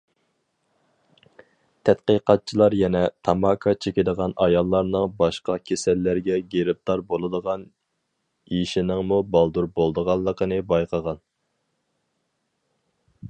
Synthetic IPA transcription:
t̪ʰɛt̪̚qəqʰɑt̪̚t͡ʃʰilˠɑɾjɛnɛt̪ʰɑmɑkʰɑt͡ʃʰekʲɪd̪əʁɑnʔɑjɑlˠːɑɾnɨŋbɑʃqɑkʲʰesɛlːæɾɡʲɛɡʲeɾɪp̚d̪ɑɾbolˠɨd̪əʁɑn | jiʃinɪŋmubɑlˠd̪uɾbolˠd̪əʁɑlˠːəqʰənɨbɑjqʰəʁɑn

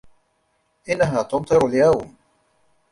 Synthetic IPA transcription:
ʔɪnːaɦaːt̪ʊnt̪ˤɨɾaljawm

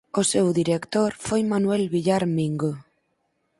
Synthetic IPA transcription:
osewðiɾekt̪oɾfojmanwelβiʎaɾmiŋɡo

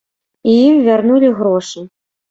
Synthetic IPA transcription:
ijimvʲarnulʲiɣɾɔʂɨ

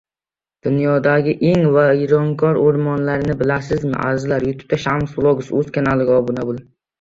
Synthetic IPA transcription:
d̪̥ʊnjɒd̪aɡʲɪʔeŋvaɾɒŋkʰɒɾoɾmɒnlaɾnɪbɪlasɪzmɪ̰ʔa̰ɾɪzlaɾjʊt̪ʰʊ̥p̚t̪ʰaʃamsflˠoɡʊsɵzkʲʰanalɪɡʲɒbʊnabʊlˠ

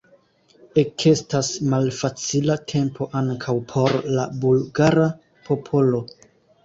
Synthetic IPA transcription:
e̞kʰe̞stasmalfat͡silatʰe̞mpʰo̞ʔaŋkʰawpʰo̞ɾlabulɡaɾa | pʰo̞pʰo̞lo̞

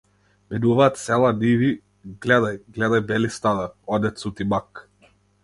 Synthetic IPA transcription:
mɛd̪uvaːt̪sɛlˠanivi | ɡlɛd̪ajɡlɛd̪ajbɛlist̪ad̪aɔd̪ɛt̪sut̪imak

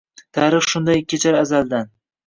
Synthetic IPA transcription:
t̪ʰaɾɨχʃʊnd̪ajkʲʰːet͡ʃʰaɾazald̪an

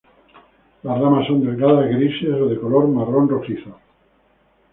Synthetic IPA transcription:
lasramasːond̪eɣɾaðazɣɾisesoðekoloɾmaronrosiθo

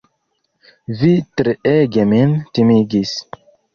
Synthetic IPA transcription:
vitɾeeɡemintimiɡis

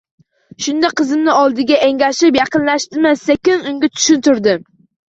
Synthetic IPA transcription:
ʃʊnd̪aqʰɨzɪmnɪɒlˠd̪ɪɡʲaʔeŋlʲaʃɪpjɑqɨnlaʃt̪ɪmasekʲɪnʊŋɡʲat̪ʰʊ̥ʃʊnt̪ʊɾd̪ɪm

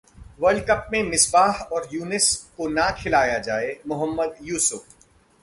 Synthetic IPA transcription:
ʋəɾlɖkəp̚mẽmɪsbaːɦɔːɾjuːnɪskonakʰɪlaːjad͡ʒaːemʊɦəmːəd̪juːsʊf

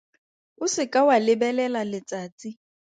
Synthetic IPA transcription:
ʊsɪkʼawalɪbɛlɛlalɪt͡sʼaːt͡sʼi

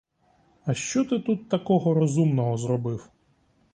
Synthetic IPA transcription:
ɐʃt͡ʃɔt̪ɪt̪ut̪ːɐkɔɦɔɾɔzumnɔɦɔzrɔbɪw

